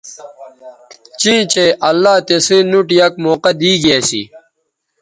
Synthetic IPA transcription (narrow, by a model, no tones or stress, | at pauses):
t͡ɕĩːt͡ɕeʔɐlːaːt̪esĩːnuʈjɐk̚moːqɐd̪iːɡjesḭ